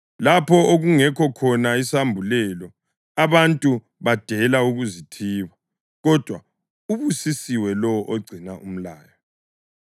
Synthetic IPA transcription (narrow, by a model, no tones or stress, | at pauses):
lapʰɔoɣuŋɛkʰɔkʰɔnaisambʱulɛlɔ | aβantʼu | βad̥ʱɛlauɣuzitʰiːβa | ɣɔd̥ʱwa | uβusisiwɛlɔwʔoɡ͡ǀʱinaʔum̩laːjɔ